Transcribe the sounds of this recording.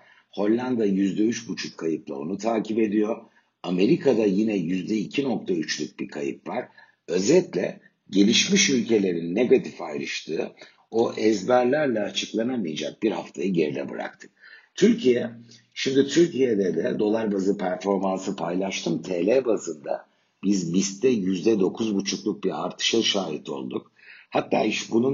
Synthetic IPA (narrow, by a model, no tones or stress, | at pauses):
ho̞lʲːand̪ajyzd̪ɛyt͡ʃbut͡ʃʰukʰːajɯp̪lˠa̰o̞̰nut̪ʰaːcʰipe̞d̪ijo̞ | ame̞ɾikʰad̪ajinɛjyzd̪ɛicʰino̞k̚t̪ʰayt͡ʃlʲyc̚bikʰajɯpvaɾ̥ | ø̞zɛt̪lʲɛ̰ | ɟe̞lʲiʃmiʃylʲcʰe̞lʲe̞ɾinːe̞ɡat̪ʰifajɾɯʃt̪ʰɯː | o̞ʔɛzbæɾlʲæɾlʲɛːt͡ʃʰɯklˠanamijad͡ʒak̚biɾhaft̪ʰajɯɟeɾinʲɛ̰bɯ̰ɾa̰k̚t̪ʰɯ̥k̚t̪ʰyɾcʰijɛ | ʃimd̪it̪ʰyɾcije̞d̪ɛd̪ɛd̪o̞lˠaɾbazɯpʰæɾfo̞ɾmansɯpʰajlˠaʃt̪ʰɯmt̪ʰeːlʲebazɯnd̪a̰ | bizbist̪ʰɛjyzd̪ɛd̪o̞kʰuzbut͡ʃʰuklˠuk̚biaɾt̪ʰɯ̥ʃaʃaːjit̪ʰo̞̰lˠd̪uk̚ | hat̪ːaːiʃbunun